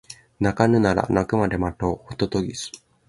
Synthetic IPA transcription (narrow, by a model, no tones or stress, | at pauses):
nakanɯ̟naɾa̰nakɯ̟mad̪e̞mat̪oːot̪ot̪oɡʲisɨ̥